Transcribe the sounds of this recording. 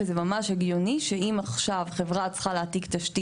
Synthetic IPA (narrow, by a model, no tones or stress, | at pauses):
ezemamaʃhaɡjoniʃeimaχʃavχevʁat͡sχaleat̪iktaʃti